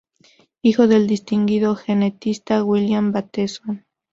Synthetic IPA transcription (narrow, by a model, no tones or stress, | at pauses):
ixoðe̞ld̪ist̪iŋɡiðoxenet̪ist̪awiljambat̪eson